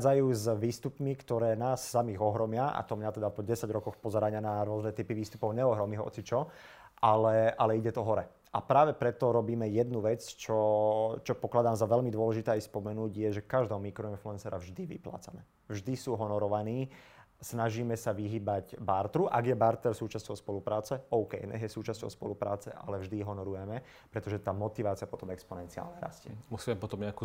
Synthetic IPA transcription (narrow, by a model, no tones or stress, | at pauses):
d͡zajuːzʋiːst̪upmikt̪ɔɾɛːnaːsːamiɣɔɦɾɔmɪaa̰t̪ɔmɲat̪ɛd̪apɔɟɛsaɟɾɔkɔxpɔzɛɾaɲɪanaɾʊɔznɛt̪ipiʋiːst̪upɔʊɲɛɔɦɾɔmiɦɔɔ̰t͡sit͡ʃɔ | ʔalɛalɛiɟɛt̪ɔɦɔɾɛ | ʔapɾaːʋɛpɾɛt̪ɔɾɔbiːmɛjɛd̪nuʋɛt͡st͡ʃɔt͡ʃɔpɔklad̪aːmzaʋɛʎmid̪ʊɔlɛʒit̪ɛːajspɔmɛnuːɟjɛʒɛkaʒd̪ɔmːikɾɔinfluɛnsɛɾavʒd̪iʋḭpla̰ːt͡sanɛ | vʒd̪isuːɦɔnɔɾɔʋaniː | snaʒiːmɛsaʋiɦiːbaɟbaɾt̪ɾuʔaɡjɛbaɾt̪ɛɾsuːt͡ʃascɔʊspɔlupɾaːt͡sɛɔʊkɛjnɛ̰ɦjɛsuːt͡ʃasɔ̰ʊspɔ̰lupɾa̰ːt͡sɛ̰ʔa̰lɛvʒd̪iɦɔnɔɾujɛmɛ | pɾɛt̪ɔʒɛt̪aːmɔt̪iʋaːt͡siapɔt̪ɔmɛkspɔnɛnt͡sia̰ːlɲɛɾa̰scḭmusiːmɛmpɔt̪ɔmɲɛaku